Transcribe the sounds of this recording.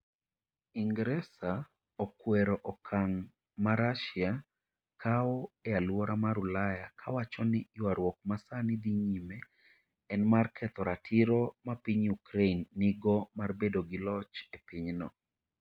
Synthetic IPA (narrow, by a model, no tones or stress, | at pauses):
iŋɡɾɛsa | ɔkwɛɾɔʔɔkʰaŋ | maɾaʃia | kʰaɔɛalwɔɾamaɾulajakʰawat͡ʃɔnɪwaɾwɔk̚masanɪd̪iɲime | ɛnmarkʰɛt̪ɔɾatʰiɾomapiɲukɾeinːiɡɔmarbedoɡɪlɔt͡ʃepiɲnɔ